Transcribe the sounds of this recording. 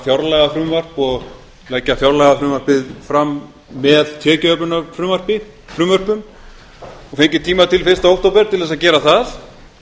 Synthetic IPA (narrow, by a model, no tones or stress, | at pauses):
θjawɾlɛɣafɾʏmvar̥pɔɣ | lɛcːaθjawɾlɛɣafɾʏːmvaɾ̥pɪðfɾamː | ɛðt̪ʰɛːcʏœpnʏnafɾʏːmvar̥pɪ | fɾʏːmvœr̥pʏm | ɔfejɲcɪt̪ʰiːmat̪ʰɪlfɪr̥st̪aowht̪owpɛɾ̥t̪ʰɪlðɛsacɛːɾaθaθ